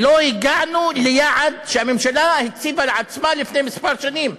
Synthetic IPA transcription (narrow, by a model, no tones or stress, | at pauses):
lojɪɡaʕnulɪjaʕad̪ʃehamemʃalahɪt̪siːvalʕat͡smalɪfnemɪspɑɾˤʃaniːm